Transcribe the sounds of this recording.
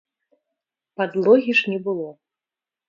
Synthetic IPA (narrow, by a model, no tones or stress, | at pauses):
pad̪lˠɔɣʲiʂnʲɛbɨlˠɔ